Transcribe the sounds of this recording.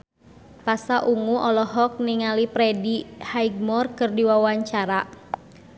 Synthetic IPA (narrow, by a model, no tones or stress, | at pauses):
pasaʔuŋuʔɔlɔɦɔk̚niŋalipɾɛdihaiɡ̚mɔrkɨrdiwawaɲt͡ʃaɾa